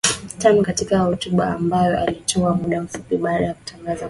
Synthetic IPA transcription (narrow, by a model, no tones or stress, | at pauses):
tanukatikahutuɓa̰ambajɔʔalitʰɔamuɗam̩fupiɓaːɗajaku̥taŋɡaza